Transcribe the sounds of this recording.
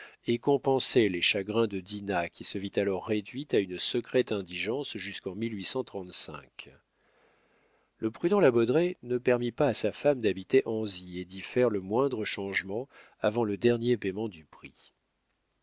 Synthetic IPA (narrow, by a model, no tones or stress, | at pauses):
ekɔ̃pɑ̃sɛleʃaɡʁɛ̃d̪əd̪inakʲʰisəvit̪alɔʁːed̪ɥit̪aynsəkχɛt̪ɛ̃d̪iʒɑ̃sʒyskɑ̃milɥisɑ̃t̪χɑ̃t̪sɛ̰̃k | ləpχyd̪ɑ̃labɔd̪ʁenəpɛʁmipaːsafamd̪abit̪eʔɑ̃zied̪ifɛʁləmwɛ̃d̪ʁəʃɑ̃ʒmɑ̃ | avɑ̃ləd̪ɛʁnjepemɑ̃d̪ypχi